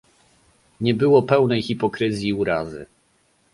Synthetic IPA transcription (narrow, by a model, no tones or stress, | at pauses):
ɲɛbɘwɔpɛwnɛjxipɔkɾɘzʲjiuɾazɘ̰